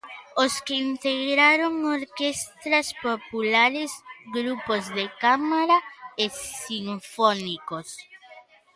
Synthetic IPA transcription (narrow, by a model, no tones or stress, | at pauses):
oskeint̪eɣɾaɾoŋoɾkest̪ɾɐspopulaɾesɡɾupozðekamaɾaesiɱfonikos